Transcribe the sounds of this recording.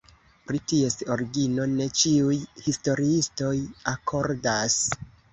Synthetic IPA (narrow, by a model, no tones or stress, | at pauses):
pɾitie̞sto̞ɾiɡino̞ne̞t͡ʃiujhisto̞ɾiisto̞jakʰo̞ɾdas